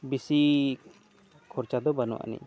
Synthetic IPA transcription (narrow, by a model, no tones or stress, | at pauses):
bisi | kʰɔɾt͡ʃad̪ɔbanɔ̰aʔa̰nḭ